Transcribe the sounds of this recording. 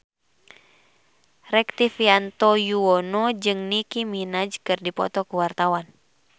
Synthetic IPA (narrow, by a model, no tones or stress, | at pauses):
rɛk̚t̪ifiant̪ɔjuɔnɔd͡ʒɨŋnikiminad͡ʒkɨrdipɔ̰t̪ɔkuwart̪awan